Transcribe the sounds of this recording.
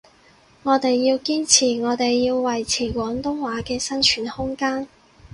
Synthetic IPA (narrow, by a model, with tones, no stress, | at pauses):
ŋɔː˨˧t̪e˨jːiː˧wkiː˥nt͡sʰiː˨˩ŋɔː˨˧t̪e˨jːiː˧wwɐ˨jt͡sʰiː˨˩kʷɔː˨˥ŋt̪ʊ˥ŋwaː˨˥kɛː˧sɐ˥nt͡ʃʰyː˨˩nhʊ˥ŋkaː˥n